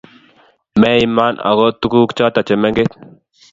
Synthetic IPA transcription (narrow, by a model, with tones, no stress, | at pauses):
mɛ˦i˨ma˦nʔa̰˨ɣɔ˦tu˦ku˦kt͡ʃɔ˦ta˨t͡ʃɛ˨mɛ˦ŋɡe˦t̪̚